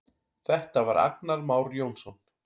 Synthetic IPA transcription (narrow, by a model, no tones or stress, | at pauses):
θɛht̪avaɾʔa̰k̚naɾmaːwɾjownsɔn